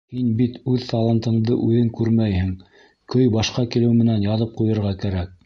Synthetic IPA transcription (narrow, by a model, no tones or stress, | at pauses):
hinbit̪ʉðt̪ɑlˠɑnt̪ɤ̆ɴd̪ɤʔʉðɘŋkʉɾmæjhɘŋ | kɵjbɑʃqɑkilɘwmɘ̆nænjɑðɤp̚qujɤ̆ɾʁɑkæɾæk̚